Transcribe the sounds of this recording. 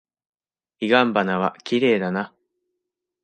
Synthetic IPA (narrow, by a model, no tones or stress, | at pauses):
iɡãmbanaβakʲiɾe̞ːd̪ana